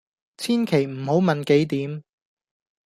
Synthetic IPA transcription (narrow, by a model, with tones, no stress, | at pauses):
t͡sʰiː˥nkʰe˨˩jm̩˨˩ho˨˥wmɐ˨nke˨˥jt̪iː˨˥m